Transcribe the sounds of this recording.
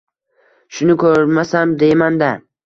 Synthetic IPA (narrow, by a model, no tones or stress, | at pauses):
ʃʊnɪkʰɵɾmasamd̪e̞jmand̪a